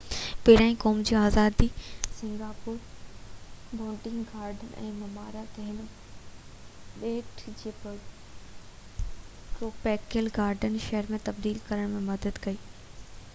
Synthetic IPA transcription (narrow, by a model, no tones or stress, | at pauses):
pɐɦɪɾãːĩkɔːmd͡ʑiaːzaːd̪isɪ̃ŋɡaːpuːɾ | bʱõːɳʈɪ̃ŋɡɡaːɾɖənɪɛ̰̃ːmɐmaːɾat̪ɐɦɪn | ɗeːʈʰd͡ʑiːp | kɾoːpɛːkelɡaːɾɖənʃɐɦəɾmẽt̪ɐb̚d̪iːlkɐɾəɽ̃mẽmɐd̪əd̪kɐiː